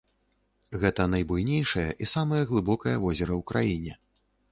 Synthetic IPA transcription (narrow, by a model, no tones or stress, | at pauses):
ɣɛt̪ɐnɐjbujnʲejʂɐjɐ̰ʔisamɐjɐɣlˠɨbɔkɐjɐvɔzʲɛɾɐwkɾajinʲɛ